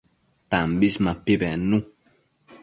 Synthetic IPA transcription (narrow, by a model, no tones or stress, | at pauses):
tambismapibɛnũ